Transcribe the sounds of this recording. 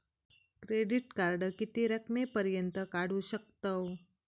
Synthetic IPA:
kɾeɖiʈkaɾɖəkit̪iɾəkmepəɾjənt̪əkaɽuʃək̚t̪əw

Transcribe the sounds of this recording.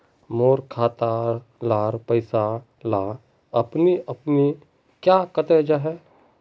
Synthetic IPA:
moːɾkʰaːt̪aːɾ | laːɾpəɪsa | laː | ɐpniɐpni | kjaːkət̪ɛd͡ʒaɦɛː

